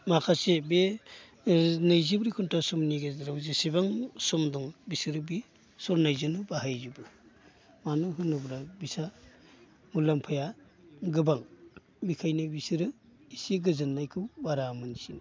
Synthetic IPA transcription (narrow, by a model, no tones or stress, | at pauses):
makʰasebe | nɯjzibɾikʰuntʰasɔmniɡezɾawzisibaŋsɔmdɔŋbisɯɾɯbi | sɔɾnajzɯnɯbaɦajzibɯ | manɯɦɯnɯbɾabisa | mulampʰaja | ɡɯbaŋ | mikʰajnɯbisiɾɯ | isiɡɯzɯnːajkʰɯwbaɾamɯnsin